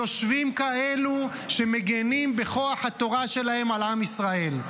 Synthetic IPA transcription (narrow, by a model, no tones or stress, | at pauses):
o̞ʃvimkae̞lu | ʃe̞meɡenimbeχo̞aħhat̪o̞ʁaʃe̞lahe̞malamisʁae̞l